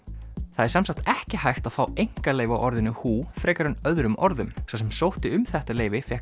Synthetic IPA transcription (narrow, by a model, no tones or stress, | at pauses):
θaðɛɾsɛmsat̪ɛhcɪhajht̪aðfaːwejŋ̥kaleːjvawʔɔɾðɪnːʏhuːfɾɛːkaɾʏnœðɾʏmɔɾðʏmsas̬ɛmsowht̪ɪʏmθɛht̪aleːjvɪfjɛh